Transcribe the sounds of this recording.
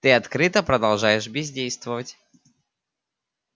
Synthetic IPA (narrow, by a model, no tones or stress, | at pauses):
t̪ɨɐt̪kɾɨt̪əpɾəd̪ɐlˠʐajɪʂbʲɪzʲdʲejst̪vəvətʲ